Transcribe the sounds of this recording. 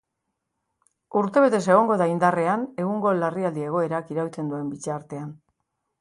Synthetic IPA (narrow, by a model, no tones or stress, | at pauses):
uɾt̪e̞β̞e̞t̪e̞se̞ɣ̞o̞ŋɡo̞ðaind̪are̞ane̞ɣuŋɡo̞lariald̪ie̞ɣ̞o̞e̞ɾakiɾawt͡se̞nd̪ue̞mbit͡saɾt̪e̞an